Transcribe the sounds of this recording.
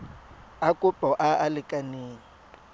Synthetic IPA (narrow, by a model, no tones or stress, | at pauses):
akʼʊpʼɔʔaalɪkʼaneːŋ̩